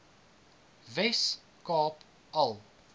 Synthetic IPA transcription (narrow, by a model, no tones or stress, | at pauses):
vɛs | kɑːp | ʔɐlˠ